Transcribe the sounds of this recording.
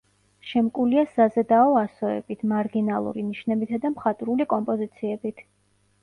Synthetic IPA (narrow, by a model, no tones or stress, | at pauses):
ʃɛmkʼuliasazɛd̪aɔasɔɛ̰b̥it̪ʰmaɾɡinalˠṵɾiniʃnɛbit̪ʰad̪amχat̪ʼɾulikʼɔmpʼɔzit̪sʰiɛbit̪ʰ